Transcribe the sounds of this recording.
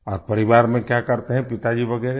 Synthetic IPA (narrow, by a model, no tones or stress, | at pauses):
ɔːɾpɐɾɪʋaːɾmẽkjakɐɾt̪eɦɛ̃pɪt̪ad͡ʒiʋɐɡɛːɾe